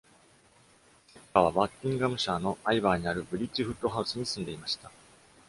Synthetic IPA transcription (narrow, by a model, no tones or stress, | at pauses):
kaβaβakʲːĩŋɡamɯ̟ɕaːno̞aibaːɲ̟iaɾɯ̟bɯ̟ɾʲit͡ɕiɸɯ̟t̪ːo̞ɦaɯ̟sɨɲ̟isɨ̃nd̪e̞imaɕi̥t̪a